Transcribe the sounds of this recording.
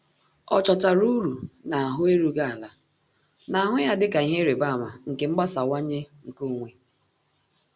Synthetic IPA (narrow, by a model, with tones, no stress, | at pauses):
ɔ̰˨t͡ʃɔ˨ta˨ɾu˦ɾu˨na˨a˨ɦʊ˦e˦ɾu˦ɡa˦a˨la˨ | na˨a˨ɦʊ˦ja˦dɪ˦ka˨i˨˦ɦe˦ɾe˨ba˦a˨ma̰˨ŋ̩˨ke˨ŋ͡m̩˦ɡ͡ba˦sa˨wa˦ɲe˦ŋ̩˨ko˦˨ŋʷe˨